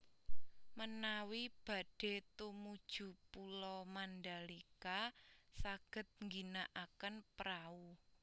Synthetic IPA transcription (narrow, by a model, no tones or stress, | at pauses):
mənawib̥ä̤ɖ̥e̤t̪umud̥ʒ̥ṳpulɔmandalikasaɡ̥ə̤t̪̚ŋɡinaʔakənpɾau